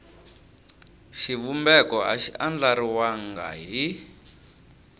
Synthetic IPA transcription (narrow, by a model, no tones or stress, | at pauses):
ʃiβumbɛkɔɦa̰ʃiʔand͡ɮaɾiwaŋɡa̰ɦi